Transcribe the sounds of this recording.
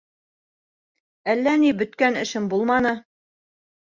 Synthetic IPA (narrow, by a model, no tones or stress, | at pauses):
ælːænibɵ̆t̪kænɘ̆ʃɘmbulˠmɑnɤ